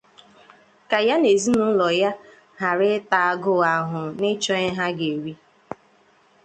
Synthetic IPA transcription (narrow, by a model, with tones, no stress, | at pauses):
ka˨ja˦ne˨zi˦nu˦lɔ˨ja˦ | ɦa˨ɾɪ˦ta˨a˦ɡʊ˦a˨ɦʊ˨nɪ˦t͡ʃɔ˦ɪ˦ɦa˦ɡe˨ɾi˦